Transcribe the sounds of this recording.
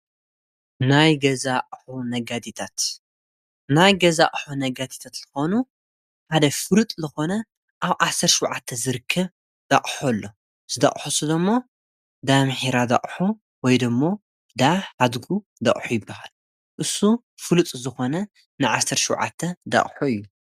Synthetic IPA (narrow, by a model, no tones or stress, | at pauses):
najɡɐzaʔʼħunɐɡat̪ʰit̪ʰat̪ | najɡɐzaʔʼħunɐɡat̪ʰi̥t̪ʰat̪zɨxo̞nu | ħad̪ɐfɨlut̪ʼzɨxo̞nɐ | ʔaβʔasːɐɾtʃɪwʕat̪ʰːɐzɨɾɨkʰːɐβ | d̪̥a̰χʼħolːo̞ | z̥ɨd̪a̰χʼħusud̪ɐmːo̞ | d̪amħiɾad̪a̰χʼħu | wɔjd̪ɨmːo̞ | d̪aħad̪ɡu | d̪ɐ̰ʔʼħujɪbːahal | ʔɨsːu | fɨlut̪ʼzɨxo̞nɐ | nɨʕasːɐɾtʃuwʕa̰t̪ʰːɐd̪a̰χʼħuɨjːu